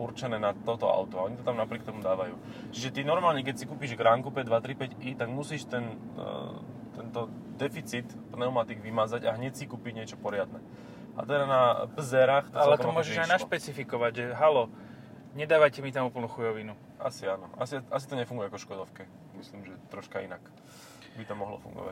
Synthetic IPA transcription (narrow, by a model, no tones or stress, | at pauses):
uɾt͡ʃɛnɛːnat̪ɔt̪ɔa̰ʊt̪ɔaɔɲit̪ɔt̪amnapɾɪɛk̚t̪ɔmud̪aːʋajṵː | t͡ʃiʒɛt̪inɔɾmaːlɲɛk̬ɛcsikuːpiːʒɡɾaːŋkupɛɟd̪ʋat̪ɾipɛɟit̪aɡmusiːʃt̪ɛn | t̪ɛnt̪ɔ | d̪ɛfit͡sit̪pnɛʊmat̪iɡʋimad͡zaɟa̰ɦɲɛcsikuːpiɲɪɛt͡ʃɔpɔɾɪad̪nɛ | ʔa̰t̪ɛd̪anabzɛɾaxt̪alɛt̪ɔmʊɔʒɛʒajnaʃpɛt͡sifikɔʋaɟʒɛɦalɔ | ɲɛd̪aːʋajcɛmit̪amuːpl̩nuxujɔʋinu | ʔasianɔʔa̰siʔas̬it̪ɔɲɛfuŋɡujɛkɔʃkɔd̪ɔfkɛ | misliːmʒɛt̪ɾɔʃkaḭnak | bit̪ɔmɔɦlɔ̰fṵŋɡɔ̰ʋa̰c